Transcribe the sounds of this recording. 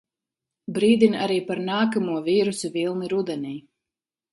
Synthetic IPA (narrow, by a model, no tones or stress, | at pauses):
bɾiːd̪inaɾiːpaɾnaːkamuɔviːɾusivilˠniɾud̪ɛniː